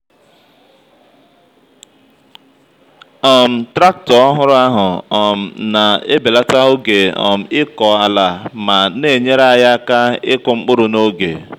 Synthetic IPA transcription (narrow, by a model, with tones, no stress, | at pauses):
ɔ˨m̩˨tɾa˦k̚tɔ˨ɔ˦ɦʊ˦ɾʊ˦a˦ɦʊ˨ɔ˨m̩˨na˨e˦be˨la˦ta˦ɦʊ˦ɡe˨ɔ̰˨m̩˨˦ɪ˦kɔ˨a˨la˨ma˨ne˨ɲe˦ɾa˦˨ja˦ka˦ɪ˦kʊ˨ŋ͡m̩˦k͡pʊ˦ɾʊ˨no˦ɡḛ˨